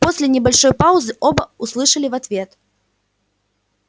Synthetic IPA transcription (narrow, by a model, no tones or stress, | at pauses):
pɔsʲlʲɛnʲɛbalʲʂɔjpawzɨʔɔbɐuslˠɨʂɐlʲivat̪vʲɛt̪